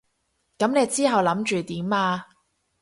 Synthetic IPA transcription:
kɐ˨˥mne˨˧jt͡siː˥ɦɐ˨wlɐ˨˥mt͡ʃyː˨t̪iː˨˥maː˧

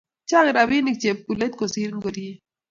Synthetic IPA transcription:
t͡ʃa˦ɣɾa˨bi˦ni˨k̚t͡ʃeb̚kule˦t̪̚kosi˦ɾŋɡo˨ɾie

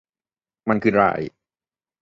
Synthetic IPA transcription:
ma˧nkʰɯː˧ɾa̰˧˩j

